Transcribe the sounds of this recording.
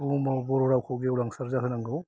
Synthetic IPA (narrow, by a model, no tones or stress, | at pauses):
umawbɔɾɔɾawkʰawɡeulaŋsaɾzakʰɯnaŋɡɯw